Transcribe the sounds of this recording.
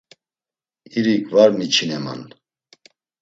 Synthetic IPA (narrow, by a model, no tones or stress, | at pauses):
iɾikvaɾmit͡ʃʰinɛma̰n